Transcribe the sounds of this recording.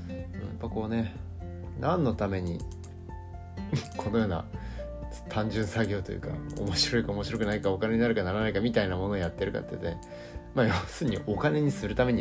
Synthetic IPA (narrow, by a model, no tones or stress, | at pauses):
ɯɯ̰̃ːjapːako̞ːne̞ | nãnːo̞t̪ame̞ɲ̟i | kʰo̞no̞jo̞ːna̰ | t̪ʰãɲ̟d͡ʑɨ̃ɰ̃saɡʲo̞ːt̪o̞jɯ̰ka̰o̞̰mo̞ɕiɾo̞ikaomo̞ɕiɾo̞kɯ̟naikaokane̞ɲinaɾɯ̟kanaɾanaikamʲit̪ainamo̞no̞ːjat̪ːe̞ɾɯ̟ka̰t̪ːḛt̪ːe | maːjoːsɨːɲ̟iʔo̞kane̞ɲ̟isɨɾɯ̟t̪ame̞ɲ̟i